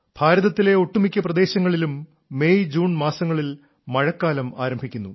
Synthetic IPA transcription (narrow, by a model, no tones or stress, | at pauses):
b̥ʱaːɾɐðɐt̪ːile̞oʈːumikʲːɐprɐd̪e̞ːɕɐŋːɐɭilumː | ejd͡ʑuːɳmaːsɐŋːɐɭil | mɐɻɐkːaːlɐma̰ːɾɐmbʱikʲːunːṵ